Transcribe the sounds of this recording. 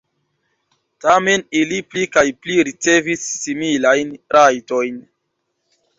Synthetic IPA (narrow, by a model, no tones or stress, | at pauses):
tame̞niliplikajpliɾit͡se̞visːimilajnɾʔajto̞jn